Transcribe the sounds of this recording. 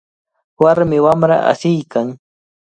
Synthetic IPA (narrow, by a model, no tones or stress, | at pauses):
waɾmɪwamɾa̰ʔa̰sɪjkaŋ